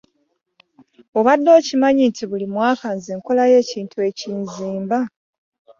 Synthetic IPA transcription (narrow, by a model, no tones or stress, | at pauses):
o̞βadːo̞ːcimaɲintʰiβulimwaːkanzeŋko̞laje̞ːciːntʰue̞ciːnziːmba